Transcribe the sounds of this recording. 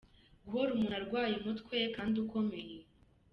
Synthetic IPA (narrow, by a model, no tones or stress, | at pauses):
ɡuhoɾumunaɾɡwaːjimutkwekaːnduko̞me̞je